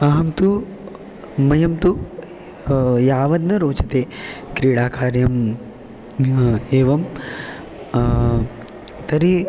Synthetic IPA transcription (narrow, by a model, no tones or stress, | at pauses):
ɐɦɐmt̪u | mɐjɐmt̪u | jaːʋɐd̪̚nɐɾoːt͡ʃɐt̪eːkɾiːɽaːkʰaːɾjɐm | eːʋɐm | t̪ɐɾi